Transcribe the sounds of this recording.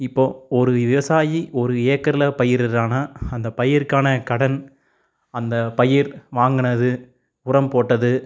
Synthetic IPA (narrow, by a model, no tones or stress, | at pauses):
ɪpːoːɔɾɯʋɪʋɐsaːjiʔɔɾɯeːkːɐɾlɐpɐjɪɾɪɾaːnɐɐnd̪ɐpɐjɪɾkaːnɐkɐɽɐn | ɐnd̪ɐpɐjɪɾʋaːŋɡɐnɐðɯ | ʊɾɐmpoːʈːɐðɯ